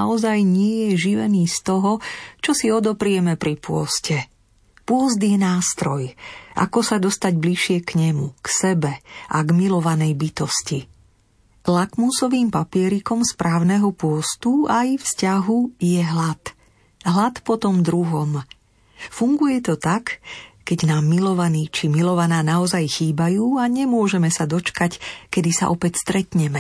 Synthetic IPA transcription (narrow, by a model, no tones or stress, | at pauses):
aɔzajɲɪɛjɛʒiʋɛniːst̪ɔɦɔt͡ʃɔsiɔd̪ɔpɾɪɛmɛpɾipʊɔ̰scɛ | pʊɔzd̪jɛnaːst̪ɾɔjʔa̰kɔsad̪ɔst̪aɟbliʃɪɛkɲɛmuksɛbɛʔaɡmilɔʋanɛjbit̪ɔsci | lakmusɔʋiːmpapɪɛɾikɔmspɾʔaːʊnɛɦɔpʊɔst̪uajfscaɦujɛɦlat̪ | ɦlat̪pɔt̪ɔmd̪ɾuɦɔm | fuŋɡujɛt̪ɔt̪akkɛɟnaːmːilɔʋaniːt͡ʃimilɔʋanaːnaɔzajxiːbajuːaɲɛmʊɔʒɛmɛsad̪ɔt͡ʃkackɛd̪isa̰ʔɔpɛcst̪ɾɛt̪ɲɛmɛ